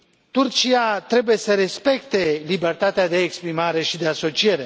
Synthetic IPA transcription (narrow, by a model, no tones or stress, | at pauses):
t̪urt͡ʃiat̪ɾe̞buje̞səɾe̞spe̞kt̪e̞libe̞rt̪at̪ead̪e̞ːkspɾimaɾe̞ʃid̪e̞aso̞t͡ʃije̞ɾe